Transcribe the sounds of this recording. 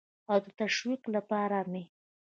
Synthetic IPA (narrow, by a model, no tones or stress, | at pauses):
awd̪ət̪aʃwiqlapɑɾame